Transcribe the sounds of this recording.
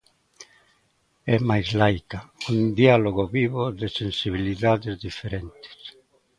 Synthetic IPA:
ɛmajzlajkaund̪ialoɣoβiβoðɪsensiβ̞iliðaðɪzðifeɾɛnt̪ɪ̥s

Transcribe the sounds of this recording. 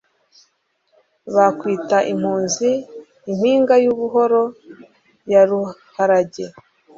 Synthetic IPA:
βakwiːtaʔim̥huːnziː | m̥hiːŋɡajuβuɦo̞ɾo̞ | jaɾuhaɾaɟe̞

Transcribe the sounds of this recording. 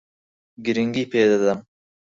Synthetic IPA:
ɡiɾiŋɡipeːd̪ad̪am

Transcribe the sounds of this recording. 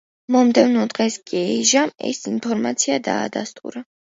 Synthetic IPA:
mɔmd̪ɛvnɔd̪ʁɛskʼiɛʒamɛ̰sinpʰɔɾmat̪sʰiad̪a̰ːd̪a̰st̪ʼṵɾa

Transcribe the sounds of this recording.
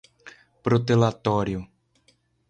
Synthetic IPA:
pɾot̪elat̪ɔɾjʊ

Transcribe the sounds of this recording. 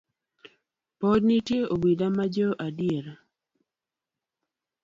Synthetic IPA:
podnitjeobidamad͡ʒɔʔadɪeɾ

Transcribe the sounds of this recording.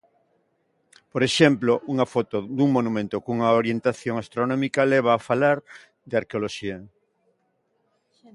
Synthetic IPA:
poɾeʃemploʔuŋɐfɔt̪od̪uŋmonumẽnt̪okuŋaoɾjent̪aθjoŋast̪ɾonɔmikaleβ̞aːfalaɾ | d̪eaɾkeoloʃia

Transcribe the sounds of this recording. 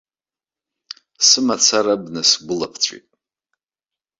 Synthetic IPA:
sɨmat͡sʰaɾabnɨsɡʷʊlapʰt͡sʷʰʼḭtʼ

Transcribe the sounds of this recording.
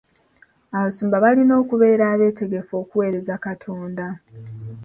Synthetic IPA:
aβasuːmbaβalino̞ːkuβe̞ːɾaːβe̞ːte̞ɡe̞fo̞ːkuwe̞ːɾe̞zakatʰo̞ːnda

